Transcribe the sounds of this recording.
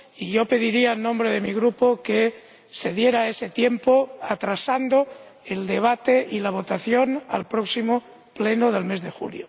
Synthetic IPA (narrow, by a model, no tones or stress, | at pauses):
iʝo̞pe̞ðiɾiaenːõmbɾeð̞emiɣ̞ɾupoke | se̞ðje̞ɾae̞set̪je̞mpoat̪ɾasand̪oeld̪e̞β̞at̪eʔilaβ̞o̞t̪aθjo̞na̰lpɾoksimo | plenoðe̞lme̞zðexṵljo